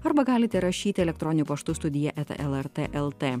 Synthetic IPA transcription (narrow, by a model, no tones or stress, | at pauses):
ɐɾbɐɡɑːlʲɪt̪ʲɛɾɐʃʲiːt̪ʲɪɛlʲɛkt̪ɾɔnʲɪnʲupɐʃt̪ʊːst̪ʊd̪ʲɪjɛʔɛt̪ːʔɛlˠɛɾt̪eʔɛlˠt̪eː